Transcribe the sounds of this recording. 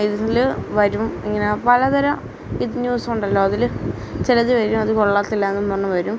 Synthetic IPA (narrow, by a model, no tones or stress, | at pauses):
iðilɨʋɐɾumiŋːɐnepɐlɐðɐɾɐ | iðɨɲuːsuɳɖɐlːo̞ːɐðilɨ | t͡ɕilɐðiʋɐɾumɐðɨkoɭːaːt̪ːilːaenːumonːɐʋɐɾum